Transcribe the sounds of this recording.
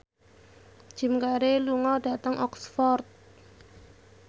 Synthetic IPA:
d̥ʒ̥i̤mkaɾeluŋɔɖ̥a̤t̪əŋʔɔksfɔrt̪̚

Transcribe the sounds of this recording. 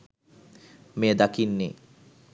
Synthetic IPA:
med̪akinːḛ

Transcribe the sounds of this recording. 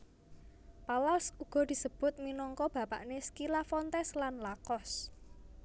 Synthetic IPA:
palasuɡ̥ɔ̤d̪̥i̤səb̥ʊ̤t̪̚minɔŋkɔb̥ä̤pa̰ʔneskilafɔnt̪ɛslanlakɔs

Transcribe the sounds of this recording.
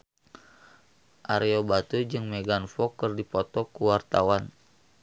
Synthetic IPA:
ʔaɾeobat̪ud͡ʒɨŋmɛɡanfɔkɨrdipɔt̪ɔkuwart̪awan

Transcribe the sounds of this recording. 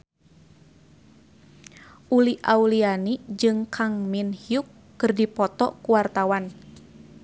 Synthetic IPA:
ʔuliʔaulianid͡ʒɨŋkʰaŋminhiukːɨrdipɔt̪ɔ̰kuwart̪awan

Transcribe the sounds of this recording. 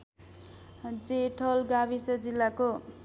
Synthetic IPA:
d͡zeʈʰʌlɡabʱisʌd͡zilːako

